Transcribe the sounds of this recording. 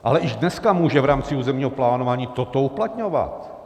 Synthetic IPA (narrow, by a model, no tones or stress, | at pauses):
ʔa̰lɛʔɪʒdnɛskamuːʒɛvɾaːmt͡sɪuːzɛmɲiːɦoplaːnovaːɲiːt̪o̞t̪o̞uplat̪ɲo̞va̰t̪